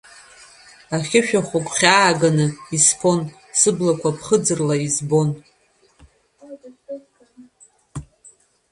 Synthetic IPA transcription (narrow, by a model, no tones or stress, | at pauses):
aχʲɪʃᶣaχʷakʷʼχʲaːɡanɨispʰo̞n | sɨblakʷʰapʰχəd͡zɨrlaizbo̞n